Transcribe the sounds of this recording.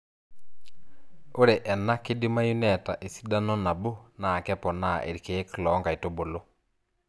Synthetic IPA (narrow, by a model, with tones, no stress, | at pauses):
o˦ɾe˨ʔɛ˨na˦kɪ˦di˦ma˦ju˦nɛ˦˨ta˨ʔe˨si̥˦da˦nɔ˦na˨bo˦na˨kɛ˦pɔ˨na̰˦˨ʔḛ˨ɾi˨ke˨e˦klɔ˨˦ŋɡa˨i˨to˦bo˨lo˦